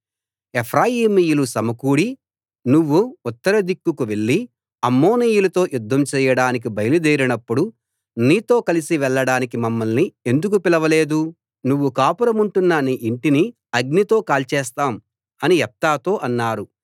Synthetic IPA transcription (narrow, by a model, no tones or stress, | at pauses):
epʰɾaːjiːmiːjulusɐmɐkuːɽi | nuʋːuːt̪ːɐɾɐd̪ikːukuʋe̞ɭːi | ɐmːoːniːjulɐt̪o̞ːjud̪ʱːɐmt͡ʃɛːjɐɽaːnik̬ibʱɐjɐlud̪eːɾinɐpːuɽu | niːt̪o̞ːkɐlisiʋɛɭːɐɽaːnikimɐmːɐlnie̞nd̪uk̬upilɐʋɐle̞ːd̪u | nuʋːukaːpuɾɐmuɳʈunːɐniʔiɳʈini | ɐɡ̚nit̪o̞ːkaːlt͡ʃɛːst̪aːm | ɐniɛp̚t̪aːt̪o̞ːʔɐnːaːɾu